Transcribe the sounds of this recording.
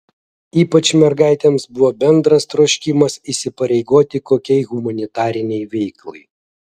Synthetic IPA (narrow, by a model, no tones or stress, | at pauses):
iːpɐt͡ʃmʲɛɾɡɑˑɪt̪ʲɛmsbʊʋoːbʲɛnd̪ɾɐst̪ɾoːʃʲkʲɪmɐsisʲɪpɐɾʲɛɪɡoːt̪ʲɪkoːkʲɛɪɣʊmɐnʲɪt̪ɑːɾʲɪnʲɛɪʋʲɛɪklˠɐ̰ɪ